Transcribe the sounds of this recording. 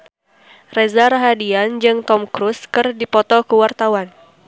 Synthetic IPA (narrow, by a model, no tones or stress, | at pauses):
rɛzaɾaɦadiand͡ʒɨŋt̪ɔmkɾuskɨrdipɔt̪ɔkəwart̪awan